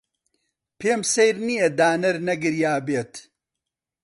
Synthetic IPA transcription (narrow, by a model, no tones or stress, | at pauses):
pʰeːmsejɾnijɐd̪aːnɐɾnɐɡɨɾjaːbeːt̪